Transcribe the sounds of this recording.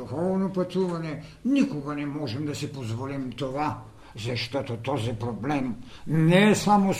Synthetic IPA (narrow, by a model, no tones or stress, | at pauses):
uxɔvnɔpat̪uvaɲɛnikoɡanɛmɔʒɛmd̪asipozvɔlimt̪ɔva | zaʃt̪ɔt̪ɔt̪ɔzɛpɾɔblɛmnɛsamos